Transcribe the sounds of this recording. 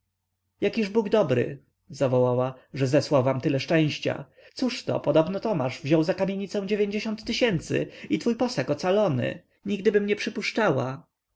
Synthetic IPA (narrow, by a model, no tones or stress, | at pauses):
jakʲiʐbuɡd̪ɔbɾɘ̰ | zavɔwawaʐɛzɛswawvamt̪ɘlɛʂt͡ʂɛ̃w̃ɕt͡ɕa̰ | t̪suʂt̪ɔ̰pɔd̪ɔbnɔt̪ɔmaʐvʑɔwzakamʲjeɲit̪sɛ̃w̃d͡ʑevʲjeɲd͡ʑeɕɔnt̪ːɘɕɛnt̪sɘ̰it̪fujpɔsakɔt̪salɔnɘ̰ | ɲiɡ̚d̪ɘbɘmɲɛpʂɘpuʂt͡ʂawa